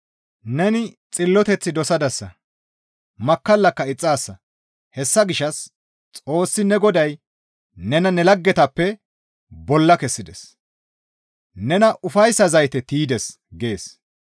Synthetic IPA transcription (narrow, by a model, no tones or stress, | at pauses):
nɛnɪ | t͡sʼɪlːɔt̪ɛt͡sːɪd̪ɔsɐd̪ɐsːɐ | mɐkːɐlːɐkːɐɪt͡sʼːaːsːɐ | hɛsːɐɡɪʃɐs | t͡sʼo̞ːsːɪnɛɡɔd̪ɐj | nɛnɐnɛlɐɡːɛt̪ɐpːɛ | bɔlːɐkɛsːɪd̪ɛs | nɛnɐʔʊfɐjsːɐzɐjt̪ɛt̪iːd̪ɛs | ɡe̞ːs